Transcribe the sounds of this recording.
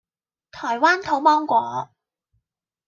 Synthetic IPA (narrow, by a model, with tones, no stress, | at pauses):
t̪ʰɔː˨˩jwaː˥nt̪ʰo˨˥wmɔː˥ŋkʷɔː˨˥